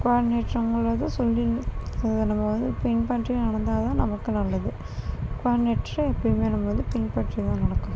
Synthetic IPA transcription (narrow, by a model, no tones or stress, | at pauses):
kaːɖneːʈɾɐŋɡɐɭɭɐðãsɔlːiɐðnɐmːɐʋɐnd̪ɯpɪnpaːʈrinɐɽɐnd̪aːɐt̪ãːnɐmɐkːɯnɐlːɐðɯ | kʋaːɖɪneːʈːɾɐɛpːɐɽɪmeːnɐmːɐʋɐnd̪ɯpɪnpaːʈrit̪ãːnɐɽɐkːʊ̃